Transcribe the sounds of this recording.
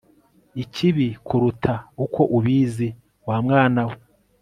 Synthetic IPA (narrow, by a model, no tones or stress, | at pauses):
icʰiβikʰuɾutʰaukʰo̞ʔuβiːzi | waːmŋaːnawe